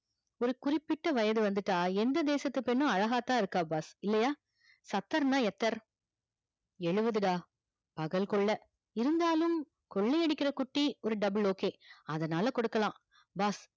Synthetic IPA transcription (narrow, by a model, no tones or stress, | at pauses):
ɔɾɯkʊrɪpːɪʈːɐʋɐjɐðɯʋɐnd̪ɯʈːaːɛnd̪ɐd̪eːsɐt̪ːɯpːɛnːɯ̃ɐɻɐɣaːt̪ãːɪɾɯkːãːbaːsɪlːɐjaː | sɐt̪ːɐɾnaːɛt̪ːɐɾ | ɛɻɯʋɐðɯɽaː | pɐɣɐlkɔɭːɐ | ɪɾɯnd̪aːlɯm | kɔɭːɐɛɽɯkʲːɪɾɐkʊʈːiɔɾɯɖɐbɪɭoːkeːɐðɐnaːlɐkɔɽɯkːɐlãː | baːs